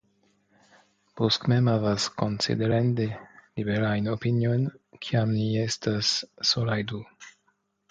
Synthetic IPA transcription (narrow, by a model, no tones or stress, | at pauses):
poskmemavaskonsḭd̪eɾand̪elibeɾajnopinjojnkʰiamniest̪asːolajd̪u